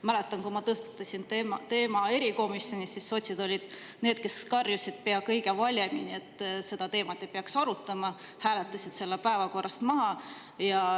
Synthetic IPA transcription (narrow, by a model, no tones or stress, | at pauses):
mæle̞t̪ːˑɑnkumɑt̪ɤst̪ɑ̥t̪ːˑɑsint̪e̞ːmɑe̞ɾiko̞misjo̞nʲisːisːot̪ʲsid̪̥o̞lʲid̪̥ | ne̞ːd̪̥ke̞skɑrjusʲid̪̥̚pe̞ɑkɤ̞jɡ̥e̞vɑlʲjeminie̞t̪ːˑse̞d̪̥ɑt̪e̞ːmɑt̪ːˑejpeɑksɑɾut̪ːˑɑmɑ | hæːle̞t̪ːˑɑsʲid̪̥se̞lːepæevɑko̞rʔɑst̪mɑɦɑ | jɑ